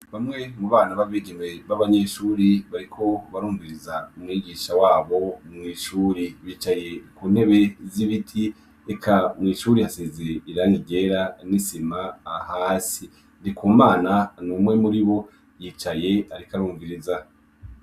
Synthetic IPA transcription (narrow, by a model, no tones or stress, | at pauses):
βamŋe̞muβaːnaβaviɡenwe̞βaβaɲeʃuːɾiβaɾikʰo̞βaɾuːɱviɾizaumŋiːɡiːʃawaːβo̞mŋiːʃuːɾiβiːt͡ʃaje̞kuːn̥he̞βe̞ziβitʰi | ekʰamŋiːʃuɾihasezeɾeiɾaŋiɟeɾanisimaːhaːsi | ndikʰuːmaːnanumŋe̞muɾiβo̞ | jiːt͡ʃaje̞aɾikaɾuːɱviɾiza